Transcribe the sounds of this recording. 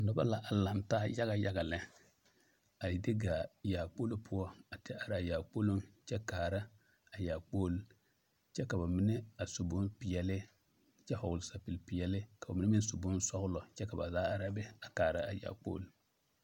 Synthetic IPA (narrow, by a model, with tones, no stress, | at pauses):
nɔ˦ba̰˦la˨ʔa˨la˨ntaː˦ja˦ɣa˨ja˦ɡa˨lɛ˦ | a˨dɪ˦ɡa˨jaː˨k͡po˦lo˦pʰʊ˦ɔ˦a˨tɛ˦a˨ɾɪ˨a˨jaː˨k͡po˦lo˦ŋt͡ʃɛ˦kaː˨ɾa˦ | a˨ja˨k͡poː˦l | t͡ʃɛ˦ka˨ba˨mɪ˦nɛ˦a˨sʊ˨bʊ˦npɪ˨jɛ˨lɪ˦ | t͡ʃɛ˦hɔ˨ɡʊ˨lsa˨pɪ˨lpɪ˨jɛ˨lɪ˦ka˨ba˨mɪ˦nɛ˦mɪ˦n˦sʊ˨bʊ˦n˦sɔ˦ɣʊ˦lɔ˨t͡ʃɛ˦ka˨ba̰˨zaː˨˦a˨ɾa˦bɛ˦a˨kaː˨ɾa˦a˨ja̰ː˨k͡po̰˦l